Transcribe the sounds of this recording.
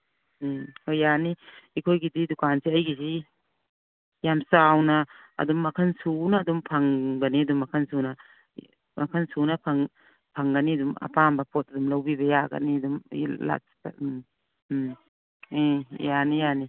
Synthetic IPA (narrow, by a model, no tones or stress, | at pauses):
hojːaniikʰojɡididukanseɐjɡizi | jamsawna̰ːdumːɐkʰɐnsunaːdumpʰaŋɡɐniɐdumːɐkʰansuna | mɐkʰɐnsunapʰaŋ | pʰaŋɡɐnidumɐ̰pambɐpʰot̚ɐdumlawbibɐjaɡɐ̰nidumla̰̥ | ejanijani